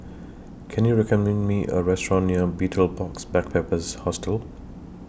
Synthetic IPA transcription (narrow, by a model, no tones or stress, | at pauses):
kʰɛ̃njuɹɛkəmɛ̃nmiʔə̰ɹɛstɹɔ̃nːiəbitʰəlbɔksbɛk̚pʰepəzhɔstəlˠ